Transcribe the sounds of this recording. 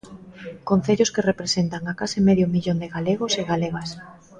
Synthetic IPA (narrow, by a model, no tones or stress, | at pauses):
kon̟θeʎoskerepɾesent̪aŋakasɪmeðjʊmiʎond̪eɣaleɣoseɣaleɣas